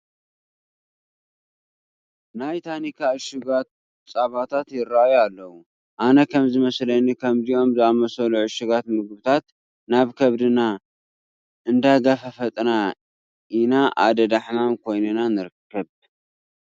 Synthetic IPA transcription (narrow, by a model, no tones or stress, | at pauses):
najt̪ʰanikʰaɨʃuɡat̪̚ | t͡sʼaβat̪ʰat̪jɪɾajalːɐwu | ʔanɐkʰɐmzɨmɐslɐnikʰɐmzijo̞mzɨamɐsɐluʕɨʃuɡat̪mɨɡbɨt̪ʰat̪ | naβkʰɐβd̪ɨna | ʔɨnd̪aɡafɐfɐt̪ʼna | inaʔa̰d̪ɐd̪aħmamkʰo̞jnɨnanɨɾɨkːɐβ